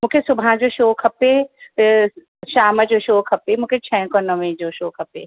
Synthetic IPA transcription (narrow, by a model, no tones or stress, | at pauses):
mũːkʰesʊbʱãd͡ʑoːʃoːkʰɐpe | ʃaːməd͡ʑoːʃoːkʰɐpemũːkʰet͡ɕʰɐ̃konəʋẽd͡ʑoːʃoːkʰɐpḛ